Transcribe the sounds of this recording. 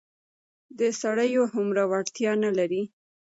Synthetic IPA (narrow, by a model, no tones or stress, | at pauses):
d̪əsaɽəjoɦʊmɾawaɽt̪jɑnalaɾi